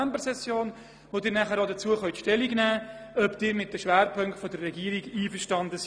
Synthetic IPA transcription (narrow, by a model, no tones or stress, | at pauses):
æmbəɾsɛsjoːn | ʋodɪːɾnæχəɾodət͡suəχœɥtʃtɛliɡnæː | œbd̥ɪːɾmɪt̚dəʃʋæːɾpʰɵŋktfɔdərːɛɡiːəɾiɡiːfəʃtɑndəs